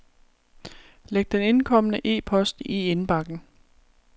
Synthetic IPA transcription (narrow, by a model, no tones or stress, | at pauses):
leɡ̥̚d̥ene̝nkʰɒ̽m̰ənəʔe̝̰ːpʰɒ̽sd̥ie̝nb̥ɑ̈ɡ̥n̩